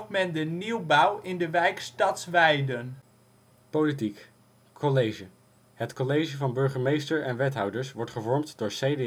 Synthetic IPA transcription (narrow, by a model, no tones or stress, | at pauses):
tmɛndəniwbɑwɪndəʋɛjkstɑtsʋɛjdən | powlit̬ik | kʰolejʒə | hətkɔlejʒəvɑnbɵɹχəmejstəɹɛnʋɛtɦɑwdəɹsʋɔɹtχəvɔɹmtd̥ʊːɹsejde